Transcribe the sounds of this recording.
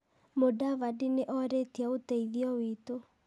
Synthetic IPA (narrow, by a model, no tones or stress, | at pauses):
modavadineʔɔɾetiaotɛiðiɔwito